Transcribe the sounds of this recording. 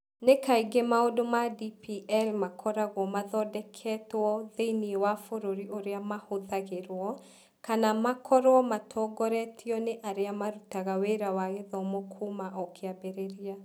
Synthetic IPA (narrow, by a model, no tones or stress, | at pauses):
nekaiɡemaodomadipiʔɛlmakʰɔɾaɣwɔmaðɔdɛkʰɛtwɔðeiniewafoɾoɾiʔoɾeamahoðaɣeɾwɔ | kanamakʰɔɾwɔmatʰɔɡɔɾɛtʰiɔneʔaɾeamaɾutaɣaweɾawaɣeðɔmokʰumaʔɔkʰeabɛɾeɾia